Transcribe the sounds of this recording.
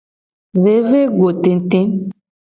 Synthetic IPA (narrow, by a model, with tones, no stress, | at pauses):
ve˦ve˦ɡo˨te˨n˦te˦n